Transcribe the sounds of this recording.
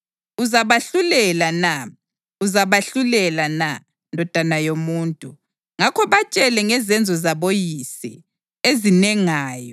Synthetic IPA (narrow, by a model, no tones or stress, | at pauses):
uzaβaɬulɛlana | uzaβaɬulɛlana | ndʱɔd̥ʱanajomuːntʼu | ŋakʰɔβat͡ʃʼɛlɛŋɛzɛnd͡zʱɔzaβojisɛ̰ | ezinɛŋaːjɔ